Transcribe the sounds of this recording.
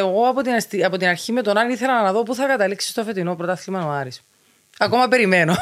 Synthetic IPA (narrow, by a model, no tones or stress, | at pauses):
eɣo̞ɐpot̪inɐst̪iɐpo̞t̪inɐɾçime̞t̪o̞nɐniθe̞lɐɐnɐðo̞puθɐkɐt̪ɐliksi̥st̪ofe̞t̪ino̞pɾot̪ɐθlimɐnoɐɾis | ɐko̞mɐpe̞ɾimeno̞